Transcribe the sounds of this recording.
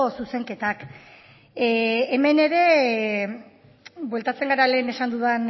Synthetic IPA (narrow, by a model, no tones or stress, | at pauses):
suse̞ŋke̞t̪ak | me̞ne̞ɾe̞ | bwe̞lt̪at͡se̞ŋɡaɾale̞ːne̞sand̪uðan